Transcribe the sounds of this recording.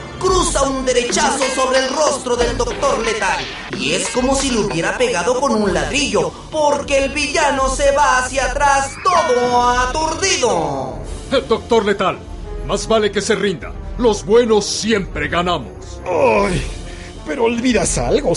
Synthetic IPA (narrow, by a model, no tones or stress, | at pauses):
kɾusaund̪e̞ɾe̞t͡ʃaso̞so̞βɾe̞ːlro̞st̪ɾo̞ðe̞ld̪o̞k̚t̪o̞ɾle̞t̪al | ḭesko̞mo̞silouβje̞ɾape̞ɣaðo̞ko̞nunlaðɾiʝo̞ | po̞ɾke̞ːlβiʝano̞se̞βaːsjat̪ɾast̪o̞ðo̞at̪uɾðiðo | eld̪o̞k̚t̪o̞ɾle̞t̪al | mazβale̞ke̞se̞rind̪a̰lo̞zbwe̞no̞sːje̞mpɾe̞ɣanamo̞̰s | aj | peɾoːlβiðasa̰lɣo